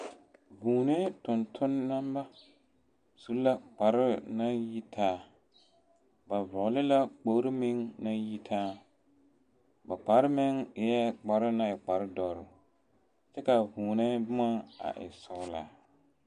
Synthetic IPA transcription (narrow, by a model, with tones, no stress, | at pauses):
vuː˨ne˦tʊ˨ntʰʊ˦nːa˦mba˦ | su˦la˦k͡pa˨ɾɪ˦na˦ji˦tʰaː˦ | ba˨vʊ˨lɪ˦la˦k͡po˦ɾɪ˦mɪ˦ŋna˦ji˦tʰaː˦ | ba˨k͡pa˨˦ɾɪ˦mɪ˦ŋɪ˨jɛ˦k͡pa˨ɾɪ˦na˦ɪ˨k͡pa˨ɾɪ˦dɔ˨ɾʊ˨ | t͡ʃɛ˦ka˨vuː˨nɛ˦bʊ˦ma˦a̰˨ʔɪ̰˨sɔ˦la̰ː˨